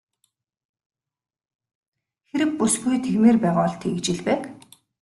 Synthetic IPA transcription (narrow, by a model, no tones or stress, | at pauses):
xeɾɘ̆k̚pːusɡujt̪ʰeɣmeːrpæːʁʊːɮt̪ʰeɣɘ̆t͡ɕɪ̆ɮpæːk